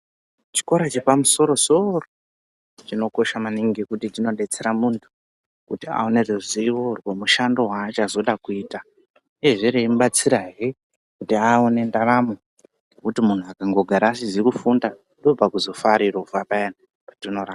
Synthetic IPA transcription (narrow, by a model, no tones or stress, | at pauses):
t͡ʃi̥ko̞ɾat͡ʃepamuso̞ɾo̞so̞ro | t͡ʃino̞ko̞ʃamaniŋɡekutitino̞ɗe̞t͡se̞ɾamuntʰu̥ | kutia̰oneruziworwemuʃando̞ɦaːt͡ʃazo̞ɗakuiːta | ieʐiɾeimɓat͡siɾaɦire | kutiaone̞ndaramo | kutimun̤uakaŋɡo̞ɡʱaɾaːsizikufunda | ndo̞b͡vakuzo̞faɾirouvapaena | patino̞ɾaːa